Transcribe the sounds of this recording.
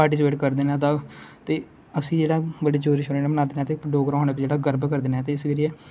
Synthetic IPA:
paːɾʈɪs̬peːʈkəɾd̪eːnaːt̪at̪eː | əsĩːd͡ʒeːɽaːbəɽiːd͡ʒoːɾiʃoneːnaːmənaːd̪eːnaːt̪eːɖoːɡɾaːɦoːñeːpd͡ʒeːɽaːɡəɾbkəɾd̪eːnaːɛːt̪eːɪsɡəɾijeː

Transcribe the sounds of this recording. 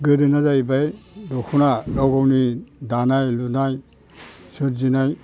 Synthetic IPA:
ɡɯdɯnazajbajdɔkʰunalɔwɡɔwnidanajlunaj | sɯɾzinaj

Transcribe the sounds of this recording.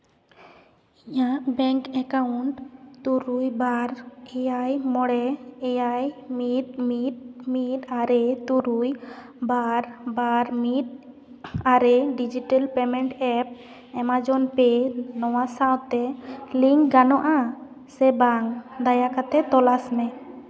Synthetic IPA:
iɲaʔbɛŋkɛkawuɳʈt̪uɾujbaɾɛjajmɔɽɛɛjajmit̪̚mit̪̚mit̪aɾɛt̪uɾuj | baɾbaɾmit̪̚ | aɾɛɖid͡ʒiʈalpɛmɛɳʈɛp̚ | ɛmad͡ʒɔnpɛnɔwasawt̪ɛliŋkɡanɔʔa | sɛbaŋd̪ajakat̪ɛt̪ɔlasmɛ

